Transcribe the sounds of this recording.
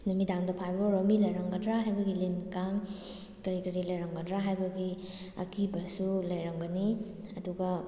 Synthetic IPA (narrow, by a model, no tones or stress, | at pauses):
numidaŋdɐpʰajbɾomilɐjɾaŋɡɐdɾaɦajbɐɡilinkaŋ | kɐɾikɐɾilɐjɾaŋɡɐdɾaɦajbɐɡi | ɐ̰kibɐsulɐjɾaŋɡɐni | ɐduɡɐ